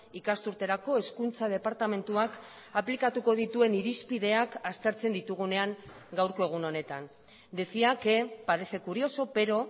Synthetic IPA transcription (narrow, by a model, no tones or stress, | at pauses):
ikast̪uɾt̪e̞ɾako̞e̞skunt͡sað̞e̞paɾt̪ame̞nt̪uak | aplikat̪uko̞ð̞it̪ue̞niɾispiðe̞akast̪e̞ɾt͡se̞nd̪it̪uɣ̞une̞aŋ | ɡawɾko̞e̞ɣ̞uno̞ne̞t̪an | d̪esiake̞paɾe̞se̞kuɾio̞so̞pe̞ɾo̞